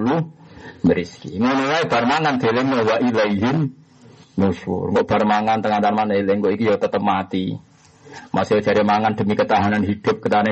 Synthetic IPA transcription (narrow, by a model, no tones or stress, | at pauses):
luməɾiskḭŋunulaib̥a̤rmaŋand̪̥elemawaʔilejɦɪmː | uʃṵrŋɡɔʔb̥a̤rmaŋant̪əŋant̪anmanəileŋkoʔikijawt̪ət̪əmat̪i | mʔa̰so̥d͡ʒ̥aɾimaŋand̥̪ə̤mikət̪aɦananɦid̪̥ʊp̚kət̪aɦana